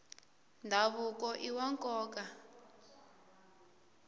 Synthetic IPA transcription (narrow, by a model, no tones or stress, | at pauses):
ndʱaβukɔʔiwaŋkʼɔːka